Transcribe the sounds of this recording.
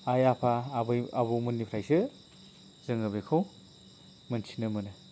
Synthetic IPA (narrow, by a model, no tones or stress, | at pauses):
ajapʰabɯjabɯmɯnːipʰɾajsɯ | z̥ɯŋɯbekʰɯw | mɯnsʰi̥nɯmɯnɯ